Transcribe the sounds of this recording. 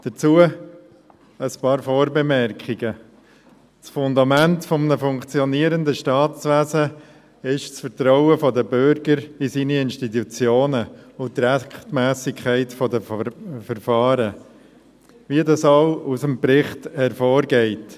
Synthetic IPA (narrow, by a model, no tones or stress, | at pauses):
d̥ət͡suə | əspɑːɾfɔːɾbɛmɛɾkχɪɡə | sfʊnd̪ɑmæntfɔmnəfʊŋkt͡sjɔniəɾəndəʃtɑːt͡sʋæsə | ɪʃsfəɾtɾɔʊəfɔdəbʏɾɡəɾɪsiːniɪnʃtit̪ut͡sjoːnəʊt̪ɾæχtmæːsɪkʰæɪtfɔdəfəɾfɑːɾə | ʋiədɑsaʊusəmpɾɪχthɛɾfɔːɾɡɛɪt